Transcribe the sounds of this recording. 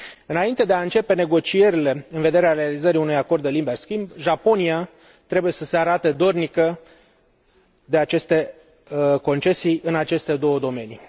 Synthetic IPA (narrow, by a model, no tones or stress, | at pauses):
ɨnaint̪e̞d̪eaɨnt͡ʃe̞pe̞ne̞ɡo̞t͡ʃie̞ɾile̞ɨnve̞d̪e̞ɾeaɾealizəɾiunujako̞rd̪elimberskʲimbʒapo̞nia | t̪ɾe̞buje̞səse̞aɾat̪ed̪o̞rnikə | d̪e̞at͡ʃe̞st̪e̞ | ko̞nt͡ʃe̞sijɨnat͡ʃe̞st̪e̞d̪o̞wəd̪o̞me̞ni